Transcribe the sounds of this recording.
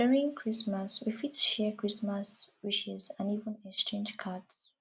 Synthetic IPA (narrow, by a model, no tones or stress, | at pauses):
ɛnĩŋkʰɹismaswifitʰu̥ʃɛkɹ̥ismaswiʃɛzãnivə̃nɛkstɹẽnd͡ʒkʰads